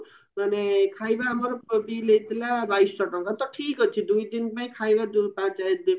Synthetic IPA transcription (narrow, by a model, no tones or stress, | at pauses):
manekʰajbaɦːmɔɾɔbilet̪ilabajssɔʈɔŋkat̪ɔʈʰikɦɔt͡ʃʰid̪ujd̪inpaĩkʰajbad̪pãt͡ʃad̪i